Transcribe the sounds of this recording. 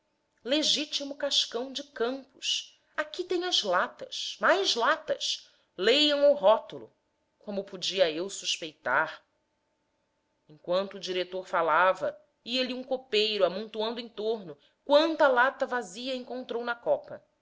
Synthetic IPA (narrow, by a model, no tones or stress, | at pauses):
leʒit͡ʃimʊkaʃkɐ̃w̃d͡ʒɪkɐ̃mpʊʃ | akit̪ẽɲ̃ɐzlat̪ɐ̰ʃmajzlat̪ɐ̰ʃ | lejɐ̃w̃uwɦɔt̪ʊlʊ̰ | kõmʊpud͡ʒiɐewsuʃpejt̪aɾ | ẽŋkwɐ̃nt̪ʊːd͡ʒiɾet̪oɾfalavɐ | iɐliũŋkopejɾʊamũnt̪uɐ̃nd̪ʊẽt̪oɾnʊ | kwɐ̃nt̪ɐalat̪ɐvaziɐẽŋkõnt̪ɾownɐkɔpɐ